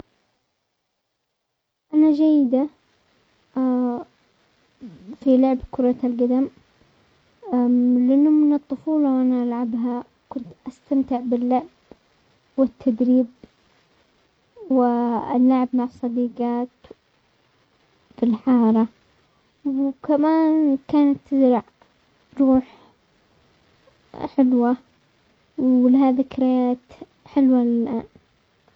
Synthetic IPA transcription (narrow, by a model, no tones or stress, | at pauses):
ʔanad͡ʒajːɪd̪a | filʊʕbkʊɾˤɑlɡad̪am | lɪʔɪnːʊmɪnɨt̪ˤːʊfuːlɑwʔanaʔalʕabɦa | kʊnt̪ʔast̪amt̪ɪʕbɪlːʊʕb̥ | wɪt̪ʰːad̪ɾiːb | wɪɪ̰lːaʕɪbmaʕsˤːɑd̪iːɡɑːt̪ | fɪlħɑːɾˤɑ | wkamaːnkaːnat̪ːɪzɾɑʕ | ɾˤuːħ | ħɪlwa | wlɪɦaːðikɾajaːt̪ | ħɪlwalɪlʔa̰ːn